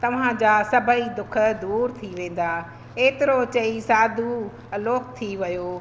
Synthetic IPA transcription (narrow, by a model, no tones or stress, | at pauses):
t̪ɐʋ̤ãd͡ʑaːsɐbʱəid̪ʊkʰə̆d̪uːɾt̪ʰiʋẽːn̆d̪aː | eːt̪ɪɾot͡ɕɐisaːd̪ʱu | ɐloːk̚t̪ʰiʋɐjoː